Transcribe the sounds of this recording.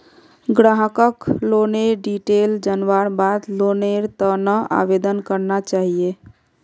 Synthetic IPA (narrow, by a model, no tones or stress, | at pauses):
ɡɾaɦəkəkloneɾɖiʈeld͡ʒənʋaɾbad̪loneɾt̪ənəa̰ʋed̪ənkəɾnat͡ʃaɦie